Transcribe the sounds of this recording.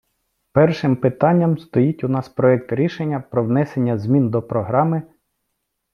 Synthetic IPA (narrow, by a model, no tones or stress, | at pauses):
pɛrʃɪmpɪt̪ɑnʲːɐmst̪ɔjitʲʊnɑspɾɔɛkt̪ɾʲiʃenʲːɐpɾɔʋnɛsenʲːɐzmʲind̪ɔpɾɔɦɾɑmɪ